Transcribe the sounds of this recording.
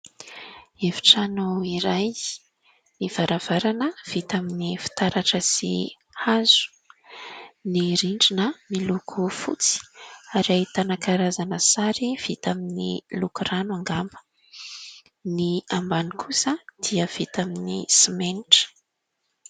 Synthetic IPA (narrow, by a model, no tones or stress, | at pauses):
eviʈ͡ʂanoiɾaj | niv̥aɾav̥aɾanəv̥it̪aminifi̥t̪aɾaʈ͡ʂəsḭ | azu̥ | niɾiɳɖ͡ʐinəmilukʰufṵt͡si̥aɾat̪anakaɾazanəsaɾiv̥it̪aminilukuranuaŋɡambə̥ | niambanikʰusəd̪̥iəv̥it̪aminisimeniʈ͡ʂə̥